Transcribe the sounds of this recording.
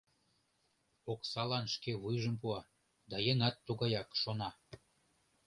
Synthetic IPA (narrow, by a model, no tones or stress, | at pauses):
oksɑlɑnʃkeβujʒəmpuɑ | d̪ɑjeŋɑt̪ːuɣɑjɑkʃonɑ